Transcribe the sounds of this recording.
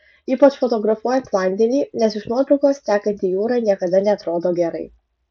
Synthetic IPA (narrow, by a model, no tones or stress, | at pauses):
iːpɐt͡ʃfɔt̪ɔɡɾɐfuɔjɛnt̪ʲlˠɑˑnʲd̪ʲɛnʲiːnʲɛsɪʃnuɔt̪ɾɐʊkoːst̪ʲæːkɐnʲt̪ʲijuːɾɐːnʲiɛkɐd̪ɐnʲɛːt̪ɾoːd̪oːɡʲɛɾɐɪ